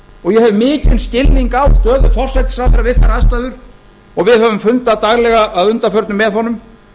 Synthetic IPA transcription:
ɔɣjɛhɛvʏmɪːcɪnscɪlniŋkawt̪œːðʏfɔr̥sɛt̪sɾawθɛɾavɪðθaɾaast̪aðʏɾ̥ | ɔɣvɪðhœvʏmfʏnt̪aðt̪aɣlɛɣaʔːðʏnt̪afœɾt̪nʏmːɛðθhɔnːʏm

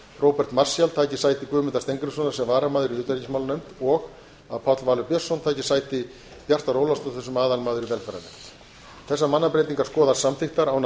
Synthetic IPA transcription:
rowpɛr̥t̪mar̥sjalt̪ʰaːjcɪ̥saːjt̪ɪkvʏːmɪnt̪ast̪ejŋkɾʏsɔnaɾ̥sɛmvaːɾamaːðʏɾiʏːt̪aɾicinsmawlanejmt̪ɔɣ | aðpʰawt̪lvaːlʏpjœsːɔnt̪ʰaːjcɪsajt̪ɪ | pjar̥t̪aɾowlast̪ɔθɛsʏmaːðanmaːðʏɾivɛlfɛɾa̰nḛm | θɛs̬ːamanːapɾejt̪̬iŋkaɾ̥skɔːðḁsamθɪxt̪aɾawn

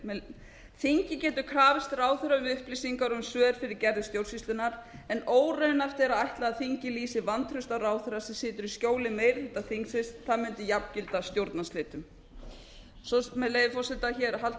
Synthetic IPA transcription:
θiɲcɪcɛːt̪ʏ̥kʰɾaːvɪst̪raːwθʏɾaʏmʏhplisiŋkaɾʏmsœːðʏɾ̥fɪɾɪɾcɛɾðɪst̪jowɾ̥sist̪ʏnaɾɛnoːwrœnaft̪ɛɾaajht̪laaðθiɲcɪliːsɪvant̪ʰɾʏst̪aɾaːwθʏɾasɛmsɪːt̪ʏɾiscoːwlɪmeːjɾθɛht̪aθiŋksɪst̪θaðmʏnt̪ɪjapn̥cɪlt̪ast̪jowɾt̪nasleːt̪ʏm | sɔmɛðlejðɪfɔrsɪlt̪açɛːɾɦalt̪

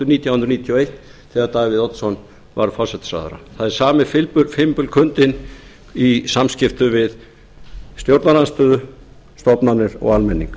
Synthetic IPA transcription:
t̪ʏɾniːt̪jahʏnɾɔnit̪ʰiɔejht̪θɛɣaɾt̪aːɣvɪðɔt̪sɔn | vaɾfɔrsɛt̪ɪ̥sa̰ːða̰ɾa̰θaðɛɾsaːmɪfɪlpʏfɪmpʏlkʰʏnt̪ɪn | isamscɪft̪ʏvɪð | st̪jowɾt̪nalanst̪œːðʏ | st̪ɔpnanɪɾɔ̰ɣalmɛnːḭŋk

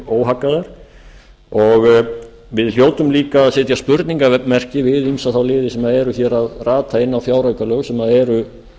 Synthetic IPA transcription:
oːwɦakːaðaɾ̥ | ɔɣ | vɪðl̥joːwt̪ʏmliːkaːðsɛːt̪jaspʏɾt̪niŋkavɛmɛr̥cɪvɪðimsaθawlɪːðɪsɛmaðɛɾʏçɛɾaðraːt̪ʰaɪnːawfjaːwɾajkalœɣsɛmaðɛɾʏ

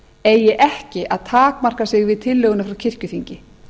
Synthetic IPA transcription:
eːjːɛʔɛhcɪʔaðt̪ʰaːkmar̥kasɪɣvɪðt̪ʰɪlːœːɣʏnafɾawcʰɪr̥cʏθiɲcɪ

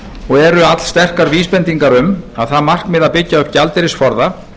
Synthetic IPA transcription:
ɔɣɛɾʏat̪l̥st̪ɛr̥kaɾviːspɛnt̪iŋkaɾʏmaðθaðmar̥kmɪðaðpɪcːaœpcalt̪ɪɾɪsfɔɾða

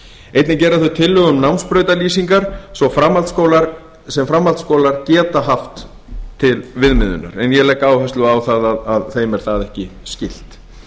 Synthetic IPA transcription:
ejt̪nɪcɛːɾaθœɥt̪ʰɪlːʏɣʏmnawnspɾœːɥt̪aliːsiŋkaɾ̥sɔfɾamalt̪skoːwlaɾ | sɛmfɾamːalt̪skoːwlaɾcɛːt̪aɦaft̪ʰː | ɪlvɪðmɪðʏ̰na̰ɾɛnjɛlɛkːaaːwɦɛst̪lʏaːwθaðaðaðθejmɛɾ̥θaðɛhcɪscɪl̥t̪

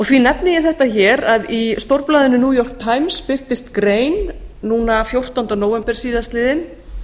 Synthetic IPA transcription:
ɔɣθvinɛpnɪjɪθɛht̪açɛːɾaðist̪owɾplaːðɪʏnʏnuːjɔr̥k̚t̪ʰːaːjmspɪr̥t̪ɪst̪kɾeːjnːuːnafjowr̥t̪awnt̪anoːwvɛmpɛɾ̥siːðast̪lɪːðɪn

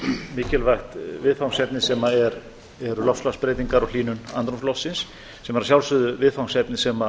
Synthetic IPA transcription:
mɪːcɪlvajxt̪vɪðfawnsɛpnɪsɛmaɛɾ | ɛɾʏlɔfslaspɾɛːt̪iŋkaɾɔɣliːnʏna̰nt̪ɾumslɔfsːɪnsː | ɛmaɾas̬jawlsʏðʏvɪðfawnsɛpnɪsɛma

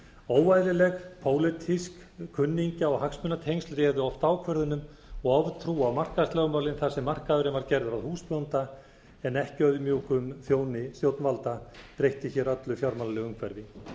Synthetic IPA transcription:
oːwvajðɪlɛɣpʰoːwlɪt̪ʰisk | kʰːʏnːiɲcaɔɣhaksmʏnːat̪ʰejnst̪ɾɛːðʏɔft̪aːwkʰvœɾðʏnʏm | ɔɣɔvt̪ʰɾuːawmar̥kast̪lɛɣʏmaːwlɪnθasɛmːar̥kaðʏɾɪvaɾcɛɾðʏɾaðhuːspjownt̪a | ɛnːɛhcœðʏmjuːkʏmθjoːwnɪst̪jowt̪nvalt̪at̪ɾejht̪ɪçɛɾœt̪lʏfjawɾmalalɛɣʏmkʰvɛɾðɪ

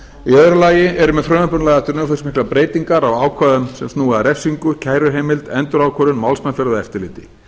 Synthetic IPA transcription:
iœðɾʏlaːjɪɛɾʏmɛðfɾœːmʏpʏnlɛɣaɛft̪ʏɾnʏːfœsmihklapɾeːjt̪iŋkaɾawaːwkʰvaːðʏmsɛmst̪nuːɣaðɾɛfsiŋkʏcʰaːjɾʏɦeːjmɪlt̪ɛnt̪ʏɾaːwkʰɔɾʏnmawlsmajnfɛɾðʏɛft̪ɪɾlɪːt̪ɪ̥

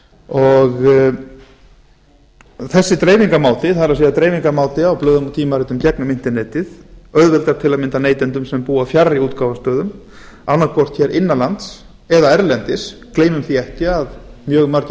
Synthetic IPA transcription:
ɔɣ | θɛsːɪt̪ɾeːjviŋkamaːwt̪ɪθaðɾasiːðat̪ɾejviŋkamaːwt̪ɪawplœːɣðʏmut̪ʰiːmaɾɪt̪ʏmcɛknʏmɪn̥t̪ɛnɛːjt̪ɪðœðvɛlt̪aɾt̪ʰɪlaðmɪnt̪aneːjt̪ɛnt̪ʏmsɛmpuːafjarːiuːt̪kaːwvast̪œːðʏm | anːaɾkʰvɔr̥t̪çɛɾʔɪnːalant̪s | ɛðaɛɾlɛnt̪ɪskleːjmʏmθiɛhcɪaðmjœːɣmaɾc

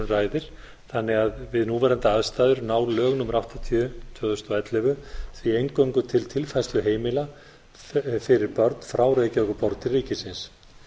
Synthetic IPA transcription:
raːjðɪɾ̥ | θanːɪɣaðvɪðnuvɛːɾant̪aaðst̪aːjðʏɾnaːwlœːɣnʏmɾawht̪at̪ʰiʏt̪ʰœːðʏst̪ɔɛt̪lɪvʏθviejŋkœwŋkʏt̪ʰɪlt̪ʰɪlfajst̪lʏɦeːjmɪla | fɪɾɪɾpœɾt̪n̥fɾaːwɾecœkʏpɔɾt̪t̪ʰɪlriːcɪsɪns

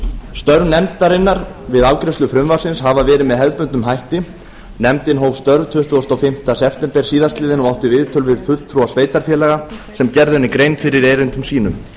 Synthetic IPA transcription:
st̪œɾvnɛmt̪aɾɪnːaɾvɪðawkɾɪst̪ʏfɾʏmvaɾ̥sɪnshavavɛːɾɪðmɛðɦɛðpʏnt̪ʏmɦajht̪ɪ | nɛmt̪ɪnɦowv̥st̪œɾvt̪ʰʏht̪ʏɔst̪awfɪm̥t̪asɛft̪ɛmpɛɾ̥siːðast̪lɪːðɪnɔawht̪ɪvɪðt̪ʰœlvɪðfʏlt̪ʰɾuasveːjt̪aɾ̥fjɛːlɛɣasɛmcɛɾðʏnɪkɾeːjnfɪɾɪɾejɾɪnt̪ʏmsiːnʏm

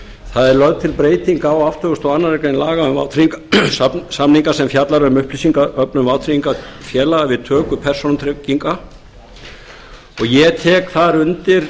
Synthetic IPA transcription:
θaðɛɾlœðt̪ʰɪlpɾeːjt̪iŋkawaft̪ʰœɣʏst̪ɔanːaɾɛjkaɪnlaːɣaʏmva̰wt̪ʰɾiiŋk | samniŋkasɛmfjat̪laɾʏmʏhplisiŋkaœpnʏmvawt̪ʰɾiiŋkafjɛːlaavɪðt̪ʰœːkʏpʰɛr̥sonat̪ʰɾɛciŋka | ɔɣjɛt̪ʰɛːkθaɾʏnt̪ɪɾ̥

